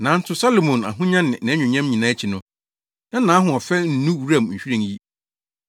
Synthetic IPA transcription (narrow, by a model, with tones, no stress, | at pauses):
nã˨˦n̩˦tʊ˦sa˦lo˨mõ˨na̰˨ɦʊ̃˦ɲã˦nɪ̃˨nɪ̃˨˦ɲᶣʊ̃˨ɲã˦mɲĩ˨nã˨˦t͡ɕʰi˨nʊ̃˦ | nã˦nã˨˦ɦʊ̃˨ɔ˨fɛ˦n̩˦nũ˦wɾa˦˨mɲ̩˨ɕᶣi˦ɾĩ˨ŋji˦